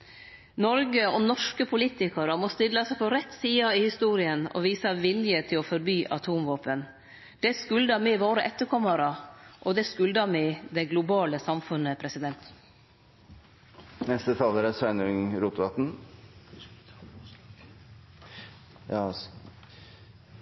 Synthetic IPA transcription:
nɔɾɡəɔnɔʂkəpʰʊliːt̪ɪkɑɾəmɔst̪ɪd̪lɑsæɪpʰɔɾɛt̪siːɑɪhɪst̪uːɾɪənɔ̰ʋiːsɑʋɪljət̪ʰɪlɔfɔɾbyːʔɑ̰t̪ʰuːmʋoːpən | d̪̥ɛskʉld̪ɑmɪʋoːɾəʔɛt̪ːəɾkʰɔmːəɾɑʔɔd̪ɛskʉld̪ɑmɪd̪ɛɡlʊbɑːləsɑmfʉnəpʰɾɛsɪd̪ɛnt̪ | nɛst̪ət̪ʰɑləɾəsæɪnəɾʉŋɾuːt̪ʋɑt̪n

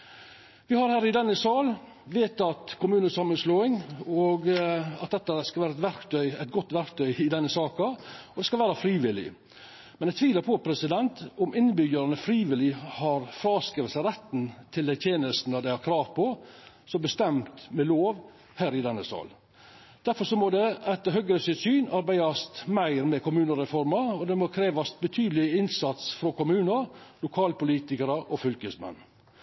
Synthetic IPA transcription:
ʋɪhɑɾhæːɾɪd̪ɛnːəsɑːl | ʋeːt̪ɑt̪kʰʊmʉːnəsɑmːənsloːɪŋɔɡɑt̪̚d̪ɛt̪ːɑskɑlʋæːɾɑɛt̪ʋæɾkt̪ʰœʏæt̪̚ɡɔt̪ːʋæɾkt̪ʰœʏɪd̪ɛnːəsɑːkɑɔd̪ɛskɑlʋæːɾɑfɾiːʋɪlɪ̰ | mɛnæɪt̪ʋiːləɾpʰɔpʰɾɛsɪd̪ɛnt̪ɔmɪnːbʏɡəɾɑnəfɾiːʋɪlɪhɑɾfɾɑːskɪʋsəɾɛt̪ːnt̪ʰɪlɛt̪ʰjeːnəst̪n̩əd̪æɪhɑɾkʰɾɑːʋpʰɔ | sɔmbəst̪ɛmt̪mɛloːʋ | hæːɾɪd̪ɛnːəsɑ̰l | d̪̥æɾfɔɾʂɔmɔd̪ɛɛt̪ːəhœɡɾəsʏsyːnɑɾbæɪɑst̪mæɪɾmɛkʊmʉːnəɾɛfɔɾmɑɔd̪ɛmokʰɾeːʋɑst̪bət̪ʰyːd̪lɪɪnsɑt̪sfɾɔkʊmʉːnəɾlʊkʰɑːlpʊliːt̪ɪkəɾəʔɔfʏlkəsmɛ̰nː

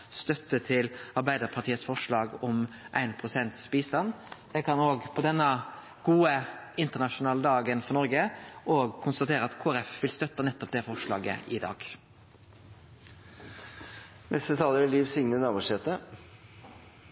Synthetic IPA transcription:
st̪œt̪ːət̪ʰɪlɑɾbæɪd̪əɾpʰɑt̪ʰiːət̪sfɔʂɭɑːɡɔmʔæ̰ɪnpʰʁʊsɛnt̪sbiːst̪ɑnjɛkʰɑnoːɡpʰɔd̪ɛnːə | ɡ̥uːəɪnt̪əɳɑʂʊnɑːləd̪ɑːɡənfɔɾnɔɾɡəoːɡkʰʊnst̪ɑt̪ʰeːɾəɑt̪kʰoːæɾɛfʋɪlst̪œt̪ːənɛt̪ːɔp̚d̪ɛfɔʂɭɑ̰ːɡə̰ʔɪd̪ɑ̰ːɡ | nʔɛst̪ət̪ʰɑːləɾɪliːʋsɪŋnənɑːʋəʂɛt̪ə

